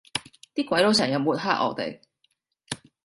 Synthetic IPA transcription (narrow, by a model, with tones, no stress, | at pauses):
t̪iː˥kʷɐ˨˧˥jlo˨˥wsʰɐː˨˩ŋjɐ˨˧m̚muː˨˩t̚ɦaː˥ʔ̚ɔ̰ː˨˧t̪ḛ˨˩j